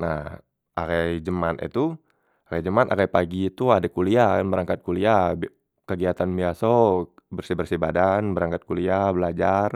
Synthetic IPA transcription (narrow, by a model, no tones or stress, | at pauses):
nah | akajd͡ʒəmanʔḭt̪u | akajd͡ʒəmanʔa̰kajpaɡiːt̪uadakuliakanbəɾaŋkat̪̚kuliab | kəɡiat̪anbiaso | bərsibərsibadanbəɾaŋkat̪̚kuliabəlad͡ʒar